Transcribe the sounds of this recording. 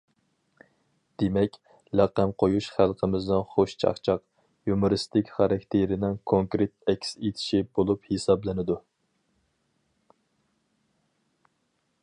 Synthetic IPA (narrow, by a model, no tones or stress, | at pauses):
d̪̥emɛkʲ | læqːæmqʰojuʃχælˠqʰəmɪznɪnχoʃt͡ʃʰɑ̰χt͡ʃʰɑq | jumʊɾɨst̪ɪkʲχɑɾɑkʲt̪ʰeɾɪnɪŋkʰoŋkɾet̪̚ɛkʲset̪ʰɪ̥ʃibolˠuphesɑblɪnɪd̪u